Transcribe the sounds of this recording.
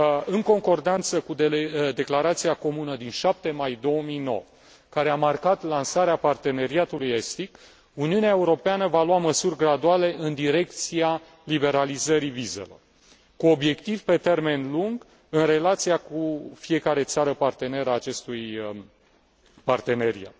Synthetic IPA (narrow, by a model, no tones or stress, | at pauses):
ɨŋko̞ŋko̞rd̪ant̪səkud̪ed̪e̞klaɾat̪siako̞munəd̪inʃap̚t̪e̞majd̪o̞omijno̞̰wə | kaɾe̞amarkat̪lansaɾeapart̪e̞ne̞ɾiat̪ulujest̪ik | uniuneae̞uɾo̞peanəvaluaməsurʲɡɾad̪uale̞ʔɨnd̪iɾe̞kt̪sia | libe̞ɾalizəɾivize̞̰lo̞̰r | kuo̞bje̞kt̪ivpe̞t̪e̞rme̞nluŋɡ | ɨnre̞lat̪sijakufie̞kaɾe̞t̪saɾəpart̪e̞ne̞ɾaːt͡ʃe̞st̪uj | part̪e̞ne̞ɾḭa̰t̪̚